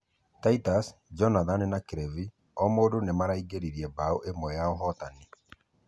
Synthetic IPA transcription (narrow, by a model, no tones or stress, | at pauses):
taitasd͡ʒɔnaðannakeɾɛvi | ɔmoːdonemaɾaiɡeɾiɾiɛbaoʔemɔjaɔɦɔtani